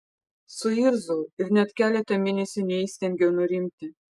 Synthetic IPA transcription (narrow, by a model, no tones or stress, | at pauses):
sʊiɾzʊːɪɾnʲɛt̪kʲæːlʲɛt̪ɐmʲɪnʲesʲɪnʲɛiːsʲt̪ʲɛŋʲɡʲɛnʊɾʲimʲt̪ʲɪ